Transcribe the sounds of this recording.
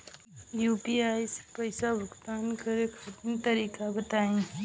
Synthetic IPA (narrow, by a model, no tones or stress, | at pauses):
juːpiaːjse̥pəɪsabʱʊkt̪aːnkəɾekʰɐʈ̪ənt̪əɾiːkabət̪aːẽ